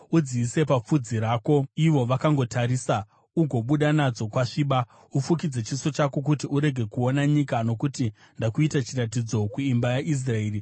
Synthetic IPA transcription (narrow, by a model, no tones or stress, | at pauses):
ud͡ziise̞pap͡fud͡ziɾaːko̞iʋo̞ʋakaŋɡo̞tʰaɾiːsa | uɡʱo̞ɓuɗanad͡zo̞kwaʂiːɓa | ufuk̬id͡ze̞t͡ʃiso̞t͡ʃako̞k̬utiuɾe̞ɡʱe̞kuo̞naɲikano̞kuti | ndakuitat͡ʃiratid͡zo̞kuimbajaʔis̬raeːri